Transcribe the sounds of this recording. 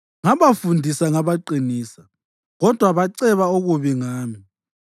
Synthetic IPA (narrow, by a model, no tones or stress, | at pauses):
ŋaβafundʱisaŋaβaǃiniːsa | ɣɔd̥ʱwaβaǀɛβauɣuβiŋaːmi